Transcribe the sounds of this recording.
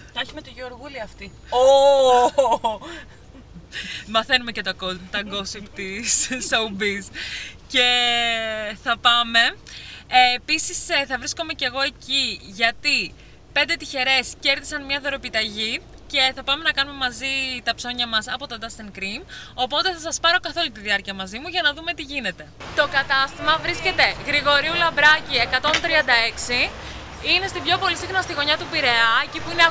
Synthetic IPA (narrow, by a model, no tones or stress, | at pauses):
t̪ɐçimet̪iʝeoɾɣuliɐft̪i | o | mɐθe̞numecet̪ɐot̪ɐɡo̞sipt̪issoubisce̞ | θɐpɐme̞episisθɐvɾisko̞me̞ce̞ɣo̞e̞ciʝɐt̪i | pe̞nd̪et̪içe̞ɾe̞sce̞ɾðisɐnmɲɐðoɾo̞pit̪ɐʝi | ce̞θɐpɐme̞nɐkɐnume̞mɐzit̪ɐpso̞ɲɐmɐsɐpo̞t̪od̪ɐst̪eŋkɾimo̞po̞t̪e̞θɐsɐspɐɾo̞kɐθo̞lut̪iðiɐɾciɐmɐzimuʝɐnɐðume̞t̪iʝine̞t̪e̞t̪o̞kɐt̪ɐst̪imɐvɾisce̞t̪e̞ɣɾiɣo̞ɾiulɐbɾɐcie̞kɐt̪o̞nt̪ɾiɐnd̪ɐe̞ksi | ine̞st̪ibʝo̞po̞lisixnɐst̪iɣo̞ɲɐt̪upiɾe̞ɐecipuine